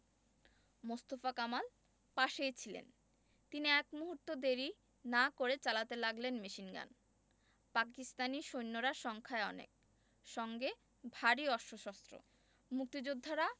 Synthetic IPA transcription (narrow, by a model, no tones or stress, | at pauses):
most̪ofakamal | paʃejt͡ɕʰilḛn | t̪iniɛkmuɦuɾt̪od̪eɾi | nakoɾet͡ɕalat̪elaɡlenmeʃinɡa̰n | pakist̪aniʃojnːoɾaʃɔŋkʰaeɔnḛk̚ | ʃɔŋɡe | bʱaɾiɔʃoʃɔst̪ɾo̰ | muk̚t̪id͡ʑud̪ʱːaɾa